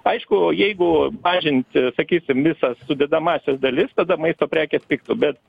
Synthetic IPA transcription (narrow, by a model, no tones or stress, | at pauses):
ɐɪʃkʊjɛɪɡʊmɑːʒʲɪnʲt̪ʲsɐkʲiːsʲɪmʋʲɪsɐssʊd̪ʲɛd̪ɐmɑːsʲɛsd̪ɐlʲɪst̪ɐd̪ɐmɐɪst̪oːpʲɾʲæːkʲɛspʲɪk̚t̪ʊbʲɛt̪